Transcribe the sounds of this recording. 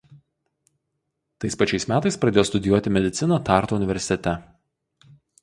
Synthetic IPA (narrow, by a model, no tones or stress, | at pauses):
t̪ɐɪspɐt͡ʃʲɛɪsmʲæːt̪ɐɪspɾɐd̪ʲeːjoːst̪ʊd̪ʲɪjuɔt̪ʲɪmʲɛd̪ʲɪt̪sʲɪnot̪ɑˑɾt̪oʊnʲɪʋʲɛɾʲsʲɪt̪ʲɛt̪ʲɛ